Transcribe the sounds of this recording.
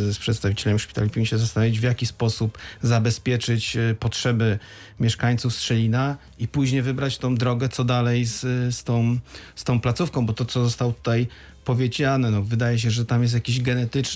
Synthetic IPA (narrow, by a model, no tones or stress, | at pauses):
spʂɛt̪st̪avit͡ɕɛlɛmiʂpʲit̪alʲipʲimʲiɕɛzast̪anɔvʲid͡ʑvʲjakʲispɔsupzabɛspʲjɛt͡ʂɘt͡ɕpɔtʂɛbɘ | mʲjɛʂkaɲt̪sufstʂɛlʲina | ipuʑɲejvɘbɾat͡ɕt̪ɔ̃w̃d̪ɾɔɡɛt̪sɔd̪alɛjsst̪ɔ̃w̃st̪ɔ̃w̃plat̪sufkɔ̃w̃bɔt̪ɔt̪sɔzɔst̪awt̪u̥t̪aj | pɔvʲjed͡ʑanɛnɔvɘd̪ajɛɕ̬ɛʐɛt̪amjɛs̬jakʲiʑɡɛnɛt̪ɘt͡ʂ